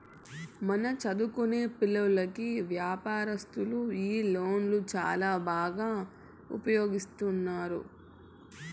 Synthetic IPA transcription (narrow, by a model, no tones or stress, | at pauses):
mɐnɐt͡ʃɐd̪ukune̞ːpilːɐlɐkiʋjaːpaːɾɐst̪uluiːlo̞ːnlut͡ʃa̰ːlaːbaːɡaː | ṵpɐjoːɡist̪unːaːɾṵ